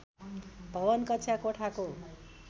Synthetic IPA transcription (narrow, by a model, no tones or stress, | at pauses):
bʱʌbʌnkʌt͡sʰjakoʈʰako